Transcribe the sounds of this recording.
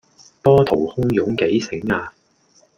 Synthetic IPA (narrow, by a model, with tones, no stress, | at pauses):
pɔː˥t̪ʰo˨˩whʊ˥ŋjʊ˨˥ŋke˨˥jsɪ˨˥ŋaː˧